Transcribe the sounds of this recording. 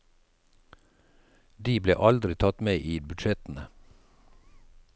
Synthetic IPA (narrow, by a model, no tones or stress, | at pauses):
d̪iːblḛːʔɑld̪ɾɪt̪ʰɑt̪meːʔiːbʉd̪ʃɛt̪n̩ə